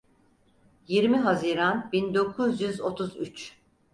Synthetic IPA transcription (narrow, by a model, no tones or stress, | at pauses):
jiɾmiɦaziːɾanbind̪o̞kʰuzjyzo̞t̪ʰuzyt͡ʃ